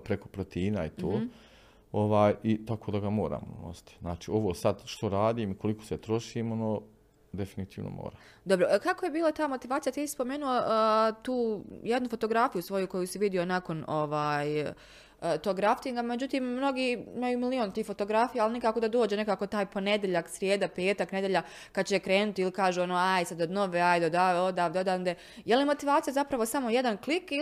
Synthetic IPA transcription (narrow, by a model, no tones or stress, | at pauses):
pɾeko̞pɾot̪iːnait̪ʰoː | oʋaːjit̪akoːd̪aɡamo̞ːɾa̰ːmo̰no̰si̥t̪iznaːt͡ʃiːo̞ʋoːsad̪ʃt̪o̞ɾaːd̪iːmiko̞liko̥set̪ɾo̞ʃiːmonoː | d̪e̞finit̪iːʋno̰mo̰ːɾaːm | d̪obɾokakojebiːlat̪aːmo̞t̪iʋaːt̪ijat̪isi̥spo̞meːnuot̪uːjed̪nufo̞t̪o̞ɡɾafijusʋo̞juko̞jusiʋid̪ionako̞no̞ʋaːj | ət̪o̞ɡɾaft̪iŋɡame̞d͡ʑut̪iːmːno̞ɡiːimajumilio̞ːnt̪iːhfo̞t̪o̞ɡɾafijaːlˠinikaːko̞d̪ad̪o̞ːd͡ʑene̞kaːkot̪aːjpo̞ne̞d̪jeʎaksɾjeːd̪ape̞ːt̪akne̞d̪jeʎa | kad̪̚t͡ɕekɾe̞ːnut̪iilikaːʒuːonoajsad̪od̪no̞ʋeajd̪od̪aeod̪aːʋd̪od̪ad̪e | jeliemo̞t̪iʋaːt̪sijazapɾaʋo̞samo̞jed̪ankliki